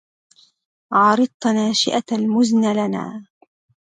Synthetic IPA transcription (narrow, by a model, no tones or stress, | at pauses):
ʕɑɾˤɨd̪̚ˤnaːʃɪ̰ʔalmʊznalana̰ː